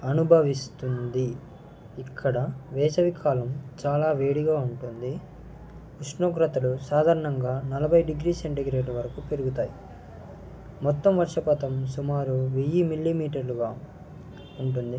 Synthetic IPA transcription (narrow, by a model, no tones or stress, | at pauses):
ɐnubʱɐʋist̪und̪iː | kʰːɐɽɐʋɛːt͡ʃɐʋikʰaːlɐmt͡ʃaːlaːʋeːɽiɡaːuɳʈund̪i | uʂɳoːkɾɐt̪ɐlusaːd̪ʱaːɾɐɳɐŋɡaːnɐlɐbʱɐjɖiɡɾiːseɳʈiɡɾeːʈuʋɐɾɐkupe̞ɾuɡut̪aːji | mɔt̪ːɐmʋɐɾʂɐpɐt̪ɐmsumaːɾuʋijimilːimiːʈ̬ɐɾluɡaː | uɳʈund̪i